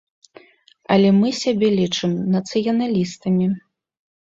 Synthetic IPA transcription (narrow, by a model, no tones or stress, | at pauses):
ɐ̰lʲɛmɨsʲabʲɛlʲit͡ʂɨmnɐt̪sɨjɐnalʲist̪ɐmʲi